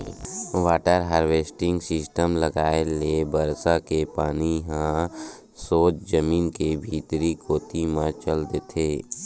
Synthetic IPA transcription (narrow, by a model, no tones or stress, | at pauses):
waːʈəɾɦaːɾʋeːsʈɪ̃ŋɡsɪsʈəmləɡaːelebəɾsakepaːniɦã | soːt͡ʃd͡ʒəmiːnkebʱiːt̪ɾikoːt̪imãt͡ʃəld̪eːt̪ʰeː